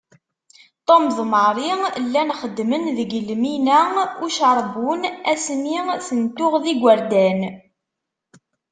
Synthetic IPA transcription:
t̪ˤomðˤməɾˤilːænχəd̪ːmənðəɡəlminæʊʃəɾˤbunæsmiθənt̪ʊʁðiɡʷəɾd̪æn

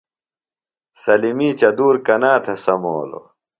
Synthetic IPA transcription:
sɐlimiːt͡ɕɐd̪uːɾkɐnaːt̪ʰɐsɐmo̰ːlo̰

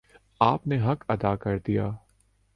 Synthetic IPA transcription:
aːpneɦɐkɐd̪aːkɐɾd̪ijaː

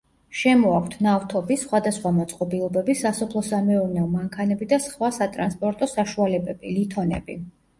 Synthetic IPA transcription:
ʃɛmɔakʷʰt̪ʰnaft̪ʰɔbisχwad̪asχwamɔt̪sʼqʼɔbilˠɔbɛbisasɔpʰlˠɔsamɛɔɾnɛɔmaŋkʰanɛbid̪asχwasat̪ʼɾanspʼɔɾt̪ʼɔsaʃualɛbɛbilit̪ʰɔnɛ̰bḭ

